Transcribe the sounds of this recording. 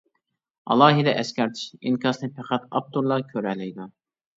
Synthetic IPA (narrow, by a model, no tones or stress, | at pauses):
ɑ̰lˠɑːɦid̪ɛʔɛskʲɛɾt̪ʰi̥ʃinkʲʰɑsnɨpʰɛqʰæt̪ɑp̚t̪uɾlˠɑkʲʰøɾɛlɪjd̪u